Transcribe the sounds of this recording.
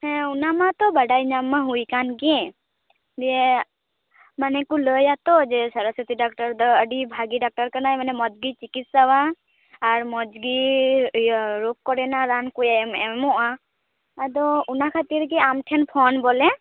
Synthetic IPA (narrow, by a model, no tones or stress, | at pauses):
ɛ̃unamat̪ɔbaɖajɲamːaɦujkanɡiɛ | d͡ʒɛ | manɛkuləjat̪ɔd͡ʒɛsaɾasət̪iɖak̚ʈɔɾd̪ɔəɖibʱaɡiɖak̚ʈaɾkanajmanɛmɔd͡ʒɡit͡ʃikit̪̚sawaː | ɾmɔd͡ʒɡi | ɾokkɔɾɛnaɾankujamɛmɔʔaː | d̪ɔunakʰat̪iɾɡɛamʈʰɛnpʰɔnbɔlɛ